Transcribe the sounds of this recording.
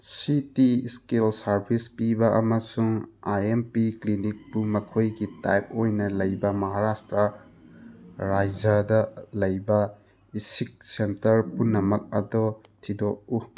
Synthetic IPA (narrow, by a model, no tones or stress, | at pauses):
sitiskelsɐɾbʰʱispibɐʔɐmɐsuŋaempiklinik̚pumɐkʰojɡitajp̚ojnɐlɐjbɐmɐɦaɾastɾɐ | ɾajd͡ʒɐdɐlɐjbɐ | isik̚sentɐɾpunːɐmɐk̚ɐ̰dɔtʰidok̚u